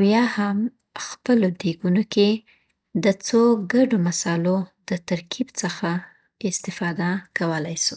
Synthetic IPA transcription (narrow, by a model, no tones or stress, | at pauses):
awjɑham | xpəlod̪eɡunoke | d̪ət͡soɡaɖomasɑlod̪ət̪aɾkʰibt͡səxa | ɪst̪ɪfɑd̪akawəlajsu̥